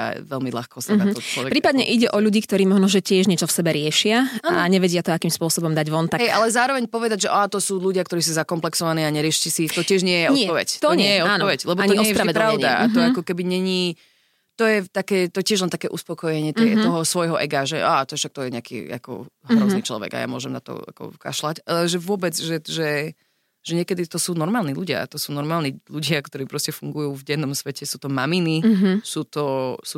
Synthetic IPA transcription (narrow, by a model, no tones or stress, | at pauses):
a̰ʋɛlmiʎa̰xkɔsaɔt͡ʃɔɛkpɾiːpad̪ɲɛʔiɟɛʔɔʎuɟiːkt̪ɔɾiːmɔʒnɔʒɛcɪɛʒɲɛt͡ʃɔfsɛbɛɾɪɛʃɪaaːnaɲɛʋɛɟɪat̪ɔakiːmspʊɔsɔbɔmd̪aɟʋɔnt̪aɦɛjʔalɛzaːɾɔʋɛɲpɔʋɛd̪aɟʒɛʔat̪ɔsuːʎuɟɪakt̪ɔɾiːs̬uzakɔmplɛksɔʋaniːaɲɛɾɪɛʃit͡ɕisiːxt̪ɔcɪɛʒɲɪɛjɛɲɪɛpɔʋɛ̰ct̪ɔɲɛjjɔaːnɔɔʋɛclɛbɔaɲiɔsɾaɛɾaʊɲd̪aa̰t̪ɔakɔkɛbiɲɛɲiː | t̪ɔjɛt̪akɛːt̪ɔjɛcɛʒlɛnt̪akɛːʔuspɔkɔjɛɲɪɛt̪ɛt̪ɔɦɔsʋɔjɦɔʔɛɡaʒɛʔat̪ɔɛfʃak̚t̪ɔjɛɲɛakḭa̰kɔ̰ɦɾɔzniːt͡ʃlɔ̰ʋɛ̰ɡa̰ja̰mʊɔʒɛmnat̪ɔ̰a̰kɔ̰ka̰ʃlacalɛʒɛʋʊɔbɛd͡zʒɛʒɛ | ʒ̥ɛɲɪɛkɛd̪it̪ɔsuːnɔɾmaːlniːluɟɪa̰t̪ɔsuːnɔɾmaːlniʎuɟɪakt̪ɔɾiːpɾɔscɛfuŋɡujuːvɟɛnːɔmsʋɛcɛsuːt̪ɔmaminisuːt̪ɔsu